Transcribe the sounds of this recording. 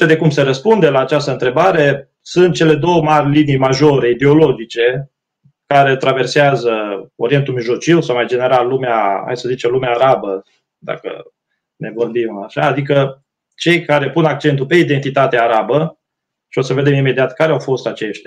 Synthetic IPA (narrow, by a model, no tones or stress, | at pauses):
ed̪e̞kumse̞ɾəspund̪e̞laːt͡ʃast̪əɨnt̪ɾe̞baɾe̞ | sunt̪̚t͡ʃele̞d̪o̞wəmarʲlinijmaʒo̞ɾe̞id̪e̞o̞lo̞d͡ʒit͡ʃe̞ | kaɾe̞t̪ɾave̞rseazəo̞ɾie̞nt̪umiʒlo̞t͡ʃiwsawmajd͡ʒe̞ne̞ɾalːumeaha̰jsəzit͡ʃemlumeaːɾabə | d̪a̰kə̰ | ne̞vo̞rbimaʃaːd̪ikə | t͡ʃe̞jkaɾe̞punak̚t͡ʃe̞nt̪upe̞id̪e̞nt̪it̪at̪eaːɾabə | ʃio̞səved̪e̞mime̞d̪iat̪kaɾeawfo̞st̪at͡ʃe̞ʃt̪ʲa